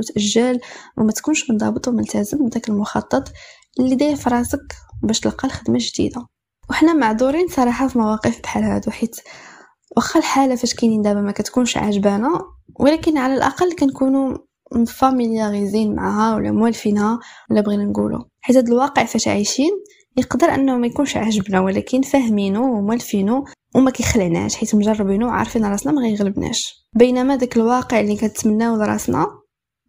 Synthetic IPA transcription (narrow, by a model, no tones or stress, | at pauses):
t̪ʔæʒːælwʔæ̰mæt̪kunʃmənd̪ˤɑbt̪ˤumʊlt̪æzəmbd̪ækəlmʊxɑt̪ˤːɑt̪ˤ | lːid̪æjæfɑɾˤɑsəkwbæʃt̪əlqːɑlxəd̪mæʒd̪ḭd̪a | wəħnæmaʕd̪uɾinsˤɑɾˤɑħafimɑwɑqəfbħalhæ̰d̪uħit̪ | wʔəxːɑlħalafæʃkæjnind̪æbæmækæt̪kunʃʕa̰ʒbænawʔlækənʕalælʔɑ̰qɑlːkænkunu | fæmiljæɣizinma̰ʕahæwəlːæ̰mwælfinhæəlːæbɣinænɡṵlṵħit̪hæd̪əlwɑqəʕfæʃʕajʃin | jəqd̪əɾʔə̰nːhmæjkunʃʕaʒəbnæwlækənːfæhminuwmwælfinu | wmækæjxlʕnæ̰ʃħit̪mʒɑrˤːbinuwʕɑ̰ɾˤfinɾˤɑsnɑmæɣæjɣləbnæ̰ʃ | bəjnæmæd̪ækəlwɑqəʕlikæət̪mənːæwd̪ɾˤɑ̰snæ̰